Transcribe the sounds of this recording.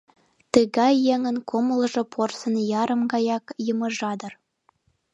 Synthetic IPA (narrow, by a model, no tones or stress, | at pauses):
t̪əɣɑjːeŋə̆nkoməlʒɤ̆pʰorsə̆njɑɾə̆mɡɑjɑkjəmɤ̆ʒɑd̪ɤ̆r